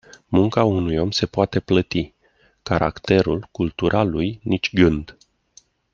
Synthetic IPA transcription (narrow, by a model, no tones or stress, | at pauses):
muŋkaunujo̞mse̞poat̪e̞plət̪i | kaɾʔa̰kt̪e̞ɾulkult̪uɾʔalujnit͡ʃʲɡɨnd̪